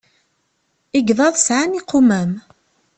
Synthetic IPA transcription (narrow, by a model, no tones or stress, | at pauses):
iɡðˤɑðˤsʕaniqːʊmæm